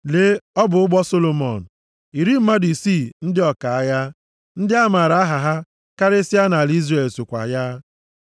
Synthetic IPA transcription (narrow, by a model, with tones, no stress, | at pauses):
le˦ɔ˦bʊ˨ʊ˦ɡ͡bɔ˦so˦lo˨mɔ̰˨n̩˨ | i˨ɾi˦m̩˦ma˦di˨si˦˨n̩˦dɪ˦ɔ˨ka˨a˦ja˦ | n̩˦dɪ˦a˦ma˨ɾa˦a˦ɦa˨ɦa˦ | ka˦ɾe˦si˦a˦na˨li˦zre˨lso˨kʷa̰˨ja˦